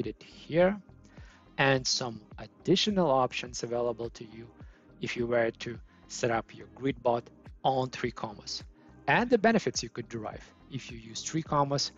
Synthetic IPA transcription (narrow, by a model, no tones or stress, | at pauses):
ɾɨd̥hiɹ | ɨ̃nsʌ̃mʔɨdɪʃɨnəl̩ˠɑpʃɨ̃nzɨveɪlˠəbəl̩ˠtʰɨju | ɪfjɨwə˞tʰɨ | sɛɾʌpʰjə˞ɡɹid̚bɔɾ̃n̩θɹikʰɑmə̰s | ɨ̃nðɨbɛñɨfɨtsjɨkɨdəɹa̰ɪv̥ | ɪfjɨjʉz̥θɹikʰɑməs